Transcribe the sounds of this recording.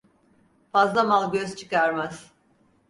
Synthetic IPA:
fazlˠamalˠɟʲøzt͡ʃʰɯ̥kaɾmaz̥

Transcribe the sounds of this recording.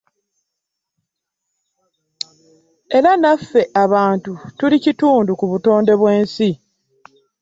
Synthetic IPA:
e̞ɾanafːe̞ʔaβaːntutulicituːndukuβuto̞ːnde̞βwe̞ːnsi

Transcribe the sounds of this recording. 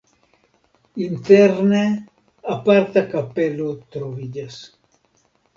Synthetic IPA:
int̪eɾne | apaɾt̪akapelot̪ɾoβiʎas

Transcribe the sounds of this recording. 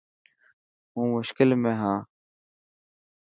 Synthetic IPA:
ɦũːmʊʃkɪlmẽːɦãː

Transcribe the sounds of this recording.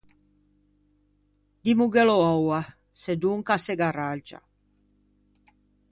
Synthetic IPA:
d̪imuɡeloɔwa | sed̪uŋkaseɡarad͡ʒa̰

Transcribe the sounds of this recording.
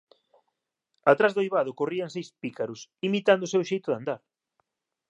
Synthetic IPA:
at̪ɾazðojβaðʊkoriaŋsejspikaɾʊsimit̪and̪ʊsewʃejt̪ʊðand̪aɾ

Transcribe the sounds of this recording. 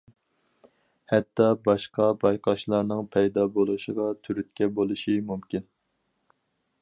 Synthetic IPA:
hɛt̪ʰːɑbɑʃqɑbɑjqʰɑʃlˠɑɾnɨŋpʰɛjd̪ɑbolˠuʃəʁɑt̪ʰyɾyt̪kʲɛbolˠuʃimumkʲʰin

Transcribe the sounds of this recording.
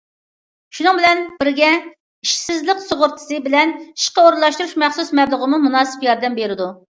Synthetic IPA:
ʃunɨŋbɪlɛnbɪɾɡʲɛ | iʃsɪzlɪqsoʁʊɾt̪ʰɨ̥sɨbɪlɛni̥ʃqəoɾlˠɑʃt̪uɾuʃmɛχsusmɛblˠəʁəmumunɑːsɨ̥pjɑɾd̪ɛmbeɾɪd̪u

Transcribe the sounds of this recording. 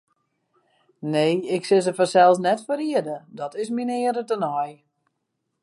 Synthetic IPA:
neːɪksɪs̬əfɔrsɛlˠsnɛtfəɾiədədɔtɪsminɪəɾətənɔj

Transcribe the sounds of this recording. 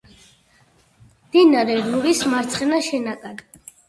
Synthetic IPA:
md̪̥inaɾɛɾnuɾismaɾt̪sʰχɛnaʃɛnakʼad̪

